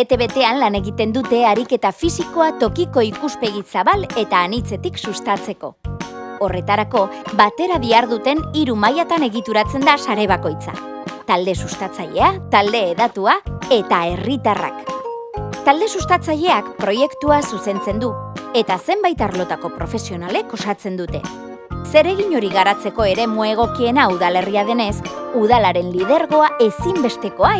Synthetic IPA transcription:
et̪e̞βe̞t̪e̞anlane̞ɣit̪e̞nd̪ut̪e̞aɾike̞t̪afisiko̞at̪o̞kiko̞ikuspe̞ɣisaβale̞t̪aːnit͡se̞t̪iksust̪at͡se̞ko̞̰o̞re̞t̪aɾako̞bat̪e̞ɾaβiaɾðut̪e̞niɾumajat̪ane̞ɣit̪uɾat͡se̞nd̪asaɾe̞β̞ako̞jt͡sa̰ | t̪ald̪e̞sust̪at͡saʎe̞at̪ald̪e̞ːðat̪uae̞t̪ae̞rit̪ara̰k | t̪ald̪e̞sust̪at͡saʎe̞akpɾo̞je̞kt̪uasuse̞nt͡se̞nd̪ue̞t̪ase̞mbajt̪aɾlo̞t̪ako̞pɾo̞fe̞sio̞nale̞ko̞sat͡se̞nd̪ut̪e̞ | se̞ɾe̞ɣiɲo̞ɾiɣaɾat͡se̞ko̞e̞ɾe̞mue̞ɣ̞o̞kie̞nauðale̞riað̞e̞ne̞suðalaɾe̞nlið̞e̞ɾɣo̞ae̞simbe̞st̪e̞ko̞a

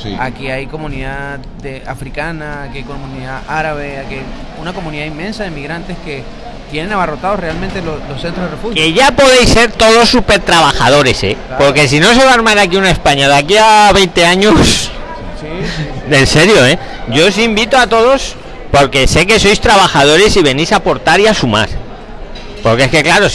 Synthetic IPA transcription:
akiajko̞mũniða | d̪eafɾikanaːkiajkomũniðaʔaɾaβe̞aki | unako̞muniðaimːẽnsaðemiɣɾant̪e̞ske̞ | t̪je̞nenaβarot̪aðorealmẽnt̪eloslosθent̪ɾohðrefuhjeʝapo̞ðe̞jsːe̞ɾt̪o̞ð̞o̞sːupe̞ɾt̪ɾaβaxað̞o̞ɾe̞se̞̰po̞ɾke̞s̬ino̞se̞βaɾmaɾakiunae̞spaɲaðakiaβe̞jnt̪e̞aɲos | ense̞ɾjo̞e | ɟ͡ʝo̞osimbit̪oat̪o̞ð̞o̞s | po̞ɾke̞seke̞so̞jst̪ɾaβaxað̞o̞ɾe̞siβ̞e̞nisapo̞ɾt̪aɾiasuma̰ɾ | po̞ɾkee̞ske̞klaɾo̞s

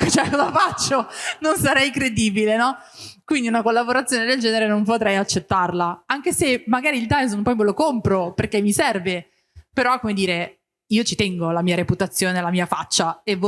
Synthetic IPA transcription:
kt͡ʃɛkɔzafat͡ʃːononsaɾɛjkɾed̪iːbilenɔ | kwind̪iunakolːaboɾat̪sːjoːned̪eld͡ʒɛːneɾenompot̪ɾɛjat͡ʃːet̪ːarlaaŋk̟esemaɡaːɾiːld̪ajznpɔjmelokompɾoperkemːisɛrve | peɾɔkːomed̪iːɾe | iːot͡ʃit̪ɛŋɡolamiːaɾeput̪at̪sːjoːnelamiːafat͡ʃːaev

